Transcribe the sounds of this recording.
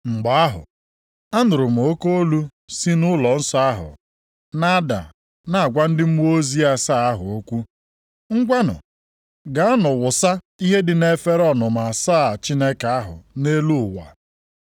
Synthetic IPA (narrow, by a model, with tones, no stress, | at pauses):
ŋ͡m̩˨ɡ͡ba˨a˦ɦʊ̰˨ | a˦nʊ˨ɾʊ˨m̩˨o˦ko˦o˦lu˦ | si˦nʊ˦lɔ˨n̩˦sɔ˦a˦ɦʊ̰˨ | na˦da̰˨ | na˨a˨ɡʷa˦n̩˦dɪ˦m̩˦o˦zi˦a˦saː˦˨a˦ɦʊ˨o˦kʷu˦ | ŋ̩˦ɡʷa˦nʊ̰˨ | ɡa˨˦a˦nʊ˨wʊ˨sa˦ | i˦ɦe˦dɪ˨ne˦fe˦ɾɔ˦nʊ˨m̩˨a˨sa˦˨t͡ʃi˦ne˦ka˨a˦ɦʊ̰˨ne˦lu˦ʊ˨wa̰˨